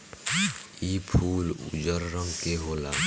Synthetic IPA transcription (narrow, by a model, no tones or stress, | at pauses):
iːpʰuːlṵd͡ʒəɾːə̃ŋɡkeɦoːla̰ː